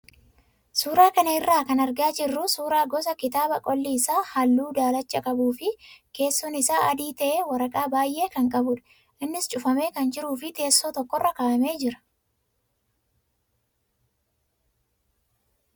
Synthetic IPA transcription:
suːɾaːkɐnɐɪrːaːkɐnɐɾɡaːd͡ʒɪrːʊsuːɾaːɡɔsɐkɪt̪aːbɐkʼɔlːiːsaːhɐlːuːd̪aːlɐt͡ʃːɐkʼɐbuːfɪke̞ːsːɔnɪsaːʔɐd̪iːt̪ɐʔeːwɐɾɐkʼaːbaːjʔe̞ːkɐŋkʼɐbʊᶑɐ̥ | ʔɪnːɪst͡ʃʼʊfɐme̞ːkɐnd͡ʒɪɾuːfɪt̪e̞ːsːoːt̪ɔkːɔrːɐkaːʔɐme̞ːd͡ʒɪɾɐ̥

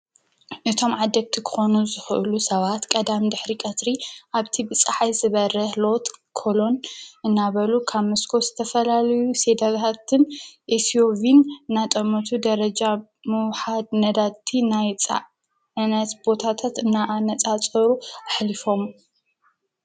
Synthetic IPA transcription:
ʔɨt̪ʰo̞mʕad̪ɐɡ̚t̪ʰikʰɨ̥xo̞nuzɨxʔɨ̰lusɐβat̪kʼɐd̪amd̪ɨħɾikʼɐt̪ɾiʔaβt̪ʰibɨt͡sʼaħajzɨβɐɾɐhlo̞t̪kʰo̞lo̞nʔɨnːaβɐlukʰamɨskʰozɨt̪ʰɐfɐlalɐjuse̞d̪ɐɡat̪ʰɨnʔesiovinɨnat̪ʼɐmɐt̪ʰud̪ɐɾɐd͡ʒa | mɨwħad̪̚nɐd̪at̪ʰːinajt͡sʼ | nɐt̪bo̞t̪ʰat̪ʰat̪ɨnːaʔanɐt͡sʼat͡sʼɐɾuʔaħlifo̞m

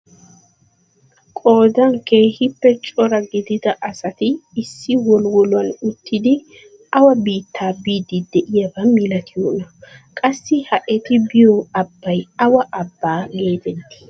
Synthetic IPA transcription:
kʼo̞ːd̪ɐŋkeːhɪpːɛt͡ʃʼɔɾɐɡɪd̪ɪd̪ɐʔɐsɐt̪ɪːsːɪwɔlwɔlʊɐnʊt̪ːɪd̪ɪ | ɐwɐbiːt̪ːaːbiːd̪ɪd̪ɛʔɪjɐbɐmɪlɐt̪ɪjoːnɐkʼɐsːɪhɐʔɛt̪ɪbɪjɔɐbːɐjɐwɐʔɐbːaːɡe̞ːd̪ɛn

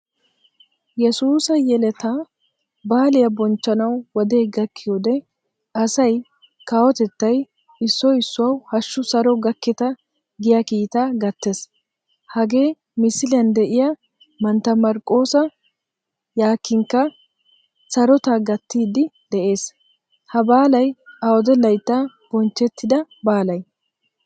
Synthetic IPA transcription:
jɛsuːsɐjɛlɛt̪a | baːlɪjɐbɔnt͡ʃːɐnɐwwɔd̪eːɡɐkːɪjod̪ɛ | ɐsɐj | kaːwɔt̪ɛt̪ːɐj | ɪsːɔɪsːʊwɐwhɐʃːʊsɐɾɔɡɐkːɛt̪ɐ | ɡɪjɐkiːt̪aːɡɐt̪ːe̞s | hɐɡe̞ː | mɪsɪlɪjɐnd̪ɛʔɪja | mɐnt̪ːɐmɐɾkʼːo̞ːsɐ | jaːkːɪŋkːɐ | sɐɾɔt̪aɡɐt̪ːiːd̪ɪd̪ɛʔe̞ːs | hɐbaːlɐjɐwɔd̪ɛlɐjt̪ːa | b̥ɔnt͡ʃːɛt̪ːɪd̪ɐbaːlɐj

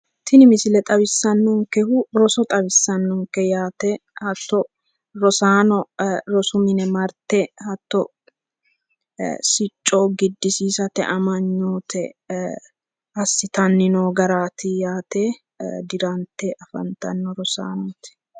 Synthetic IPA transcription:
t̪ʰɪnɪmɪsɪlɛt̪ʼɐβɪsːɐnːɔŋkɛhʊɾɔsɔt̪ʼɐβɪsːɐnːɔŋkːɛjaːt̪ɛhɐt̪ːɔ | ɾɔsaːnɔɾɔsʊmɪnɛmɐɾt̪ɛhɐt̪ːɔ | sɪt͡ʃʼːoːɡɪd̪ːɪsiːsɐt̪ɛ̰ʔɐmɐɲːoːt̪ɛ | ɐsːɪt̪ɐnːɪnoːɡɐɾaːt̪ɪjaːt̪ɛ | d̪ɪɾɐnt̪ːɛʔɐfɐ̰nt̪ɐnːɔɾɔsa̰ːnɔːt̪ɛ̥

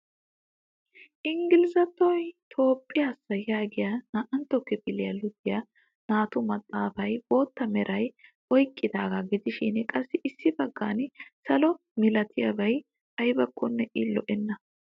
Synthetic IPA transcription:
ʔɪŋɡɪlɪzɐt̪ːɔjt̪ʰo̞ːpʼːɪjaːsːɐjaːɡɪjɐnaʔɐnt̪ːɔkːɛbɪlɪjɐlʊd̪ɪjɐ | naːt̪ʊmɐt̪ʼːaːfɐjboːt̪ːɐmɛɾʔɐjʔɔjkʼːɪd̪aːɡaɡɪd̪ɪʃɪnkʼɐsːɪʔɪsːɪbɐɡːansɐlɔ | mɪlɐt̪ʰɪjɐbɐj | ɐjbɐkʼːɔnːɛʔɪlɔʔɛnːɐ

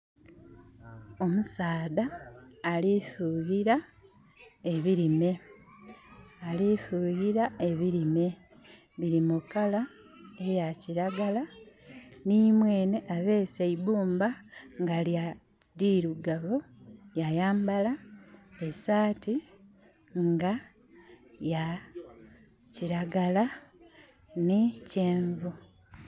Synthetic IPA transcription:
o̞musaːðaː | lifuɣiɾa | e̞βiɾime̞ | alifuɣiɾae̞βiɾime̞ | βiɾimukala | ejaciɾaɡala | nimwe̞ːne̞ʔaβe̞ːseiβuːmbaŋɡalja | ɾiɾuɡaβojajaːmbalaesaːti | ŋɡa | ja | ciɾaɡala | niceːɱvu

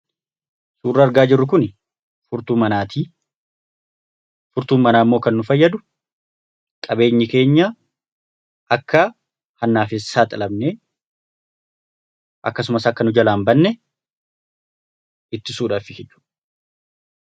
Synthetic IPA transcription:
suːrːɐːɾɡaːd͡ʒɪrːʊk̬ʊn | fʊɾt̪uːmɐnaːt̪ʰiː | fʊɾt̪uːmːɐnaːmːo̞ːkɐnːʊfɐjːɐd̪ʊ | kʼɐbe̞ːɲːɪke̞ːɲːa | ʔɐkːɐ | hɐnːaːfesːaːt̪ʼɐlɐbneː | ʔɐ̰kːɐs̬ʊmɐsɐkːɐnʊd͡ʒɐlaːmbɐnːɛ | ɪt̪ːɪsuːᶑaːfɪkɛt͡ʃːu̥ːᶑɐ

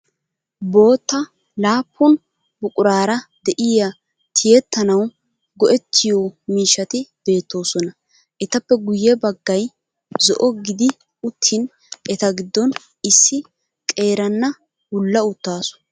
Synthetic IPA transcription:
bo̞ːt̪ːɐ | laːpʰːʊn | bʊkʼʊɾaːɾɐd̪ɛʔɪjɐ | t̪ʰɪjɛt̪ːɐnɐw | ɡɔʔɛt̪ʰːɪjɔmiːʃːɐt̪ɪb̥e̞ːt̪ːo̞ːsɔnɐ | ʔɛt̪ɐpːɛɡʊjːɛbɐɡːɐj | zɔ̰ʔɔɡɪd̪ɪ | ʊt̪ʰːɪn | ʔɛt̪ɐɡɪd̪ːɔn | ɪsːɪ | kʼe̞ːɾɐnːɐ | wʊlːɐʊt̪ːaːsʊ̥

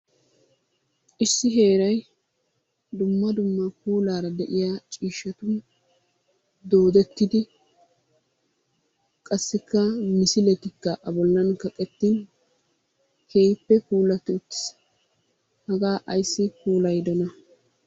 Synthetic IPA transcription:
ʔɪsːɪɦe̞ːɾɐj | d̪ʊmːɐd̪ʊmːɐkuːlaːɾɐd̪ɛʔɪjaːt͡ʃʼiːʃːɐt̪ʊ | d̪o̞ːd̪ɛt̪ːɪd̪ɪ | kʼɐsːɪkːɐmɪsɪlɛt̪ɪkːɐʔɐbɔlːɐnkɐkʼɛt̪ːin | kʰe̞ːjpːɛkuːlɐt̪ːɪʊt̪ːɪ̥ | hɐɡaːʔɐjsːɪkuːlɐjd̪ɔnɐ

